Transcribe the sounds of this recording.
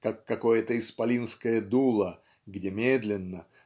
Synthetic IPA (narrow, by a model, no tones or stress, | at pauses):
kakːɐko̞jət̪əɪspɐlʲinskəjəd̪ulˠə | ɡdʲemʲed̪lʲɪnːə